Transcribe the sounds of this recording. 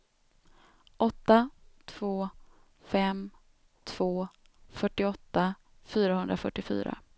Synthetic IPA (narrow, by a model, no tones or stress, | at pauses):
ʔɔt̪ːat̪ʰv̥oː | fɛm | t̪ʰv̥oː | fœʈːɪɔt̪ːa | fyːɾahɵnd̪ɾafœʈːɪfy̰ːɾa̰